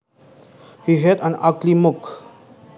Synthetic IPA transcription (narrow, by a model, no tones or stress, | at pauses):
hiɦɛdə̃naklimʊk